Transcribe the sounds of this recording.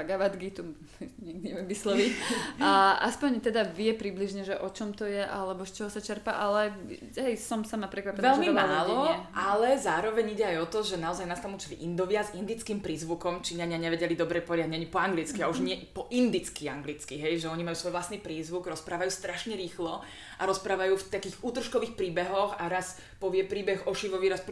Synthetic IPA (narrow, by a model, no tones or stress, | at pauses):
paɡaʋad̪ɡit̪ɔ | ɲɛɡ̚d̪iɲɛʋjɛmʋislɔʋicaʔaspɔɲt̪ɛd̪aʋɪɛpɾibliʒɲɛʒɛʔɔt͡ʃɔmt̪ɔjɛʔa̰lɛbɔst͡ʃɔɦɔsat͡ʃɛɾpaʔalɛ | ɛjsɔmsamapɾɛkʋapɛnʋɛalʒɛmimmaːlɔɛʔalɛzaːɾɔʋɛɲiɟɛajɔt̪ɔʒɛnaɔzajnast̪amut͡ʃilḭʔind̪ɔʋɪazind̪it͡skiːmpɾiːzʋukɔmt͡ʃiːɲaɲɪaɲɛʋɛɟɛlid̪ɔbɾɛpɔʋɛɾjdaɟɲɛaɲipɔaŋɡlit͡skiauʒɲɪɛpɔʔind̪it͡skiaŋɡlit͡skiɦɛjʒɛɔɲimajuːsʋɔjʋlast̪niːpɾiːzʋuɡɾɔspɾaːʋajuːst̪ɾaʃɲɛɾiːxlɔ | ʔaɾɔspɾaːʋajuːft̪akiːɣuːt̪r̩ʃkɔʋiːxpɾiːbɛɦɔxaɾas | pɔʋɪɛpɾiːbɛɣɔʃiʋɔʋiːɾasp